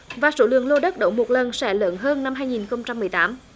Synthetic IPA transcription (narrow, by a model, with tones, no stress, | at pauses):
vaː˨˩so˧˥˦lɨ̰˧˨ŋlo˧ɗə˦˥t̚ɗə˧˩wmo˨˩t̚lə˨˩nsɛ̰˧˥lə̰ː˧˦nɦəː˧nːa˧mɦaː˧jŋi˨˩nxə˧wŋ͡mt͡ɕa˧mːɨ˨˩əjt̪aː˨˦m